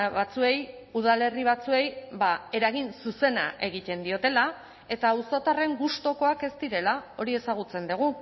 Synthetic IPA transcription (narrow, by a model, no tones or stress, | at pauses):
βat͡sue̞j | uð̞ale̞riβ̞at͡sue̞jbae̞ɾaɣinsuse̞na̰ʔe̞ɣ̞it̪e̞nd̪io̞t̪e̞la | e̞t̪auso̞t̪are̞ŋɡust̪o̞ko̞ake̞zt̪iɾe̞lao̞ɾie̞saɣ̞ut͡se̞nd̪uɣ̞u